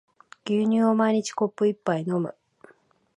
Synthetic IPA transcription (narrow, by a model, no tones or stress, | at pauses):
ɡ̥ʲɨːɲ̟ɨːomaiɲ̟it͡ɕi̥ko̞pːɯ̟ipːaino̞mɯ̟̰